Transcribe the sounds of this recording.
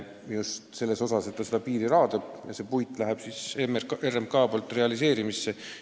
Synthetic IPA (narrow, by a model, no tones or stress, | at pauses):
just̪se̞lːe̞so̞sɑse̞t̪ːɑsed̪ɑpiːɾiɾɑːd̪ɑb̥jɑ̰se̞ːpujt̪ːˑlæɦɛb̥sisemrerːemkɑːbolt̪ːˑre̞ɑlise̞ːɾimisːe